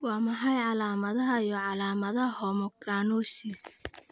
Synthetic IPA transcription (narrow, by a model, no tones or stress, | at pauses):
wɑːmɐħɑjʕɑlaːmɐðɐɦɐijɔʕɑlaːmɐðɐhɔmɔɡraːnɔʃis